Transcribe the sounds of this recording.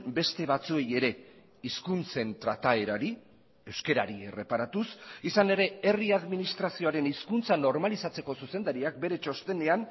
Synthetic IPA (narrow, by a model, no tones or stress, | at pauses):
be̞st̪e̞βat͡sue̞je̞ɾe̞ | iskunt͡se̞nt̪ɾat̪ae̞ɾaɾi | ewske̞ɾa̰ɾie̞̰re̞paɾat̪usisane̞ɾe̞e̞riaðminist̪ɾasio̞aɾe̞niskunt͡sano̞ɾmalisat͡se̞ko̞suse̞nd̪aɾiak̚be̞ɾe̞t͡ʃo̞st̪e̞ne̞an